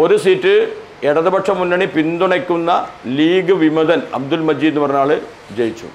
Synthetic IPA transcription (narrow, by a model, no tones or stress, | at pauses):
o̞ɾusiːtːɨ | eɽɐðɐbɐʈʂɐmːunːɐɳipind̪uɳekʲːunːɐliːɡɨʋimɐðɐnɐ̰b̚d̪ulmɐd͡ʑiːd̪nːuɨpɐrɐɲːaːɭɨ | d͡ʑejit͡ɕːṵ